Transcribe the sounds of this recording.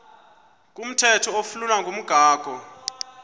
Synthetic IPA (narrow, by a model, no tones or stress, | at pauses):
k̬ʼum̩tʰɛtʰɔofululaŋɡʱom̩ɡ̥ʱaːɡ̥ʱɔ